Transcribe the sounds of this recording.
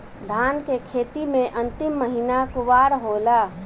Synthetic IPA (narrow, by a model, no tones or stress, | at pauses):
d̪ʱaːnkekʰeːt̪imẽʔə̃nt̪ɪmːəɦinakʊʋaɾɦola